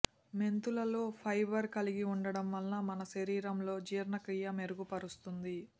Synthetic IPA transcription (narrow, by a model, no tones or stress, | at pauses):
me̞nt̪ulɐlo̞ːpʰɐjbɐɾkɐliɡiuɳɖɐɽɐmʋɐlːɐmɐnɐʃɐɾiːɾɐmlo̞ːd͡ʒiːɾnɐkɾijɐme̞ɾuɡupɐɾust̪und̪i